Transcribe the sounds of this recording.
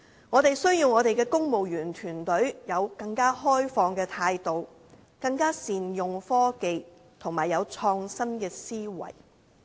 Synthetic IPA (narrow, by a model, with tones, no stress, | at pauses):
ŋɔː˨˧t̪e˨jsɵ˥ɥjiː˧wŋɔː˨˧t̪e˨jkɛː˧kʊ˥ŋmo˨wjyː˨˩nt̪ʰyː˨˩nt̪ɵ˨˥ɥjɐ˨˧wkɐ˧ŋkaː˥hɔː˥jfɔː˧ŋkɛː˧t̪ʰaː˧jt̪o˨w | kɐ˧ŋkaː˥siː˨njʊ˨ŋfɔː˥ke˨j | t̪ʰʊ˨˩ŋmaː˨˩jːɐ˨˧wt͡ʃʰɔː˧ŋsɐ˥mkɛː˧siː˥wɐ̰˨˩j